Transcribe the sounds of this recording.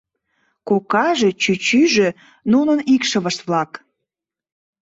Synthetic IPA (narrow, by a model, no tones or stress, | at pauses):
kokɑʒet͡ɕyt͡ɕyʒø | nunənikʃəβəʃt̪βlɑk